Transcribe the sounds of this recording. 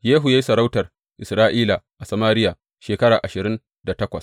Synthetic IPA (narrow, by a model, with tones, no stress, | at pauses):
jeː˦ɦu˨ja˦ji˦sɐ˨ɾa˦wtɐ˨r | ʔɪ˨sɾaː˦ʔiː˦la˨ʔa˨sɐ˨maː˦ɾɪ˦jaː˨ | ʃeː˨kɐ˦ɽaː˨ʔa˨ʃɪ˨ɾɪ˦n | da˨tɐ˦kʷɐ˨s